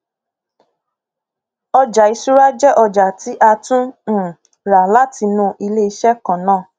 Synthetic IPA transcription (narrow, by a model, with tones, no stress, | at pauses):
ɔ˧d͡ʒa˨i˧˦su˦ɾa˦d͡ʒɛ˦ʔɔ˧d͡ʒa˨ti˨˦ʔa˧tũ˦˨ | ɾa˨la˨˦ti˧nũ˧˦ʔi˧le˦i˧ʃɛ˦kã˨nãː˦˨